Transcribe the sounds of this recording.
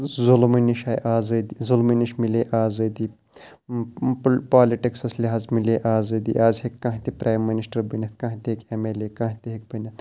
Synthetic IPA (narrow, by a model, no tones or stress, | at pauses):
zulminiʃaːjʔaːzɐd̪izulminiʃmileːʔaːzɐd̪i | ppaːliʈiksɐslʲiɦaːzmileːʔaːzɐːd̪ḭʔaːzʲhekʲːɐ̃ːɦit̪ipɾaːjmːinisʈɐɾbɐnʲɐt̪ʰkɐ̃ːɦit̪iɦekemelekɐ̃ːɦt̪iɦek̚bɐnʲɐt̪